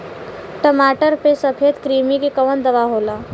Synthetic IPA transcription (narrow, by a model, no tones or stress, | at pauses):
ʈəmaʈəɾpesəpʰet̪kɾimikekəʋənd̪əʋaɦola